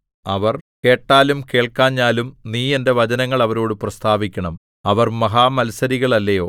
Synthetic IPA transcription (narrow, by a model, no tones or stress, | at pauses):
ɐʋɐrke̞ːʈːaːlumke̞ːɭkaːɲːaːlumniːe̞nde̞ʋɐd͡ʑɐnɐŋːɐɭɐʋɐɾo̞ːɽɨprɐst̪ʰaːʋikʲːɐɳɐm | ɐʋɐrmɐɦaːmɐlsɐɾiɣɐɭɐlːɐjo̞ː